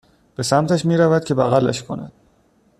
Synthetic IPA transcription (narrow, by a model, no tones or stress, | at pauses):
b̥e̞sæmt̪ʰæʃmiːɾævæd̪̥̚cʲʰe̞bæɣælːæ̰ʃkʰo̞̰næ̰d̪̥̚